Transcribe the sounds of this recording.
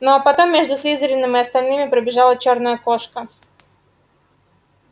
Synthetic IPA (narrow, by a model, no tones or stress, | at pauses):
nopɐt̪o̞mːʲeʐd̪ʊsʲlʲizəɾʲɪnːɨmɨɐst̪ɐlʲnɨmʲɪpɾəbʲɪʐɑlˠət͡ɕornəjəkoʂkə